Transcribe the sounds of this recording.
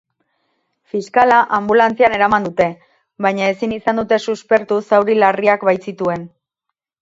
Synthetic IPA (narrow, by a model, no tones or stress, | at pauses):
fiskalaʔambulant͡siane̞ɾamand̪ut̪e̞ | bajɲae̞sinisand̪ut̪e̞suspe̞ɾt̪usawɾilariakβajsit̪ue̞n